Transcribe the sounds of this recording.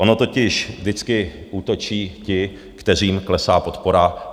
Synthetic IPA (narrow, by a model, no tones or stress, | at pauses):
o̞no̞t̪o̞cɪʃvdɪt͡skɪʔuːt̪o̞t͡ʃiːcɪ | kt̪ɛriːmklɛsaːpo̞t̪po̞ɾa